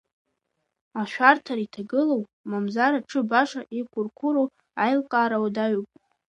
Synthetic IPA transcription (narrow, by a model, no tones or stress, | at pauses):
aʃᶣʷartʰaɾitʰaɡɨlowmamzaɾaʈ͡ʂʰɨbaʂaʔikʷʰʼʊrkʷʰʊɾu | ajlqʼaːɾawdaɥupʼ